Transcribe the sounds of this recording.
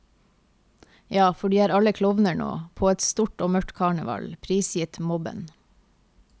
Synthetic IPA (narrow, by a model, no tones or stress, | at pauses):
jɑːfɔɖiːæːɾɑləkʰlɔʋnəɳo̰ːpʰoːɛt̪st̪uʈoːmœʈkʰɑːɳəʋɑ̰lpʰɾiːsjɪt̪mɔbə̰n